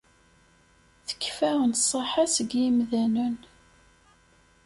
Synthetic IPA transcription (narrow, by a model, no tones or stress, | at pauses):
θə̥kːfæʁənsˤəħasəɡjimðænən